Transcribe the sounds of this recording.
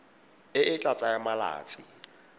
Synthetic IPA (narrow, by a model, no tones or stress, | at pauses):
ɪʔɪt͡ɬʼat͡sʼajamala̰ːt͡sʼɪ